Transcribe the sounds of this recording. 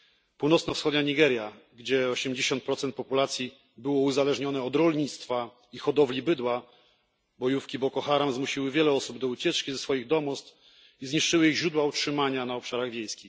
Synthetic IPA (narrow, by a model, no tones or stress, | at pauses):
puwnɔt̪snɔfsxɔd̪ɲaɲiɡɛɾʲja | ɡd͡ʑɛɔɕɛmd͡ʑeɕɔnt̪̚pɾɔt̪sɛnt̪̚pɔpulat̪sʲji | bɘwɔuzalɛʐɲɔnɛɔd̪ɾɔlɲit̪st̪fa | ixɔd̪ɔvlʲibɘd̪wa | bɔjufkʲibɔkɔxaɾamzmuɕiwɘvʲjɛlɛɔsubd̪ɔut͡ɕɛt͡ʂkʲizɛsfɔjiɣd̪ɔmust̪ | izɲiʂt͡ʂɘwɘiɣʑɾud̪wautʂɘmaɲanaɔpʂaɾaɣvʲjejskʲix